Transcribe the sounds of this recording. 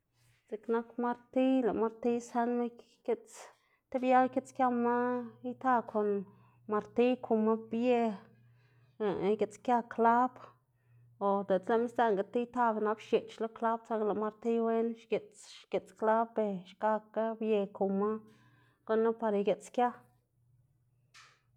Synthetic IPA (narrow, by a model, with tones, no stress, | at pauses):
zi˨kna˦kma˦ɾt̪i˦la̰˨ʔma˧ɾt̪i˦sa˦nme˦ | ke˧t͡s | t̪e˦bja˦ke˦t͡skja˦˧ma˦i˦t̪a˧kʰo˨n | ma˧ɾt̪i˦kʰu˧ma˦bje˧˨˦ | ɡe˨t͡skʲja˦kla˦b | o˨d̪e˨t͡sla˧˦mi˦st̪a˦˧ŋɡa˨t̪i˦jt̪a˧be˧na˦bʃje˨t͡ʃlo˦kla˦bt͡sa˧˦ŋɡla˨ma˧ɾt̪i˦we˦nʃɡe˨t͡sʃɡ̥e˨t͡skla˦be˧ʃka˧ka˦bje˧ku˨ma˦ | ɡ̥o˦nːa˦pa˧ɾa˧ɡe˨t͡skʲja˦